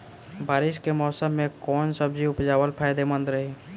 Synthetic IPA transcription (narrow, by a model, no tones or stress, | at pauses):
baːɾɪʃkemɔːsəmːẽkɔːnsəbd͡ʒiʊpd͡ʒaːwəlpʰaːjd̪emə̃nd̪ɾəɦeː